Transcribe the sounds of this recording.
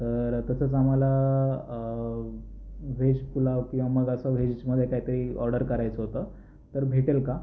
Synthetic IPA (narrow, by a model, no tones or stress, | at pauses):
t̪əɾt̪ət͡səːt͡sam̤ala | ʋʱed͡ʑpulaʋkĩw̃ʋaməɡəsəʋed͡ʑt͡ɕməd̪ʱːjekaɦit̪əɾiːɔɾɖəɾkəɾajt͡səɦot̪əː | t̪əɾbʱeʈelka